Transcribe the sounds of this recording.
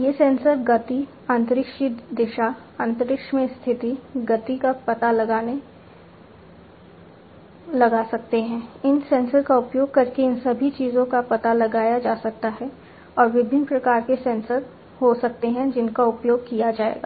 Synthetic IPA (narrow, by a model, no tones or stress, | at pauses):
jeːsɛ̃ːnsəɾɡɐt̪i | ãnt̪ɾɪkʃid̪ɪʃa | ə̃ːnt̪əɾɪkʃmẽst̪ʰɪt̪iɡɐt̪ikapɐt̪alɐɡaːne | lɐɡasɐk̚t̪eɦɛ̃ːɪnsɛ̃ːnsəɾkaʊpjoːɡ̚kɐɾkeɪnsɐbʱit͡ʃiːzõkapɐt̪alɐɡaːjad͡ʒaːsɐk̚t̪aɦɛ | ɔːɾʋɪbʱɪ̃npɾɐkaːɾkesɛ̃ːnsət̪ | hosɐk̚t̪eɦɛ̃d͡ʒɪnkaʊpjoːɡ̚kijad͡ʒaːḛːɡa̰ː